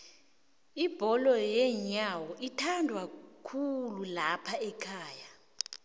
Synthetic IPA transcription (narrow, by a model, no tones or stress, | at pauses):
ib̥ʱɔlɔjɛɲawɔʔitʰandʱwakʰululapʰaɛkʰaːja